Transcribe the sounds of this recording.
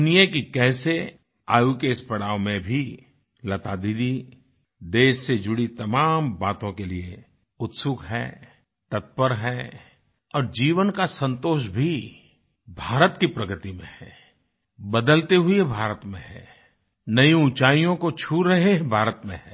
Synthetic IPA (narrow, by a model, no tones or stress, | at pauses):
nijekikɛːse | aːjukespɐɽaːʋmẽbʱi | lɐt̪aːd̪iːd̪i | d̪eːʃːed͡ʒʊɽit̪ɐmaːmbaːt̪õkelie | ʊt̪sʊkɦɛ̰ː | t̪ɐt̪̚pəɾɦɛː | ɔːɾd͡ʒiːʋənkasɐ̃nt̪oːʃbʱi | bʱaːɾət̪kipɾɐɡɾt̪imḛ̃ɦɛ̃ | bɐd̪əlt̪eɦʊebʱaːɾət̪mḛ̃ɦɛ̰̃ː | nɐĩʊ̃t͡ʃaːijõkot͡ʃʰuɾɐɦebʱaːɾət̪mḛ̃ɦɛː